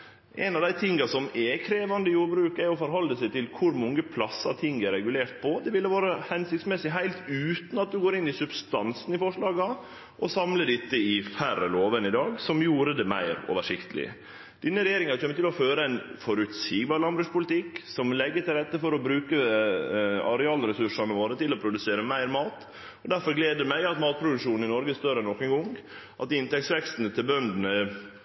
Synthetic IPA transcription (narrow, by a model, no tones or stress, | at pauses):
ʔɛ̰nɑʋd̪æɪt̪ʰɪŋɡɑsɔmɛkʰɾeːʋɑnd̪əjuːɾbɾʉːkɛɾjɔfɔɾɦɔlːəsæɪt̪ʰɪlkʰʊɾmɔŋːəpʰlɑsːɑt̪ʰɪŋɛɾɛɡʉleːɾt̪̚pʰɔd̪ɛʋɪlːəʋɑːɾəhɛnsɪkt̪smɛsɪɦæɪlt̪ʉːt̪n̩ɑt̪̚d̪ʉɡoːɾɪnːɪsʉbst̪ɑnsn̩ɪfɔʂɭɑːɡɑ | ʔɔsɑmləɖɪt̪ːəɪfæɾəloːʋənɪd̪ɑːɡsɔmjuːɾəd̪ɛmæ̰ɪɾo̰ːʋəʂɪkt̪ʰəlɪ̰ | d̪̥ɪnːəɾɛjeːɾɪŋɑɑɾçɛmət̪ɪlɔføːɾəæɪnfɔɾʉt̪siːɡbɑːɾlɑnbɾʉːʂpʊlɪt̪ʰɪkːsɔmlɛɡːət̪ɪlɾɛt̪ːəfɔɾɔbɾʉːkə | ɑ̰ɾɛɑːlɾɛsʉʂɑnɔʋoːɾət̪ʰɪlɔpʰɾʊd̪ʉseːɾəmæɪɾmɑːt̪ | ɔd̪æɾfɔɾɡleːd̪əɾmæɪɑt̪mɑːt̪̚pʰɾʊd̪ʉkʂuːnn̩ɪnɔɾɡəst̪øɾənɔkːənɡɔŋ | ʔɑt̪̚d̪ɪnt̪ɛksʋɛkst̪nət̪ʰɪlbœnd̪n̩ə